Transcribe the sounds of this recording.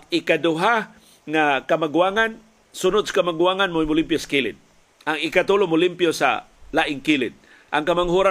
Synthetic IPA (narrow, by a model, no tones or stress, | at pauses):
ɪkadʊɦa | ŋakamaɡuaŋan | sʊnʊd̪sḁkamaɡuaŋanmomʊlimpjosḁkilɪ̰t̪̚ | aŋɪkat̪ulʊmʊlimpjosa̰ | laʔɪŋkilɪt̪̚ | ʔa̰ŋkamaŋɦuɾa